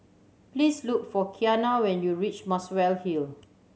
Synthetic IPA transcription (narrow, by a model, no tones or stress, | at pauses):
plislukfɔkʰianawɛ̃njuɹit͡ʃmaswɛlhil